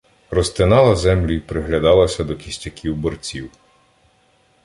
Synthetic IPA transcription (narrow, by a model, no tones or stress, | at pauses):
rɔst̪ɪnɑlˠɐzɛmlʲuipɾɪɦlʲɐd̪ɑlˠɐsʲɐd̪ɔkʲisʲtʲɐkʰʲiwbɔrt͡sʲiw